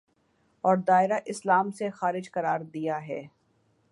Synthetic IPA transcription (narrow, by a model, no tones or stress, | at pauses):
ɔːɾd̪aːɪɾaʔɪslaːmsexaːɾɪd͡ʒkɐɾaːɾd̪ijaɦɛː